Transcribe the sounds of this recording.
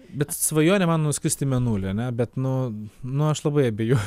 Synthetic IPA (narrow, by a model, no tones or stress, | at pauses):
bʲɛt̪sʋɐjoːnʲɛmɐnnʊsʲkʲɪɾsʲt̪ʲɪmʲɛnuːlʲɪɐnʲɛbʲɛt̪nʊnʊɐʃlˠɐbɐɪɐbʲejɛ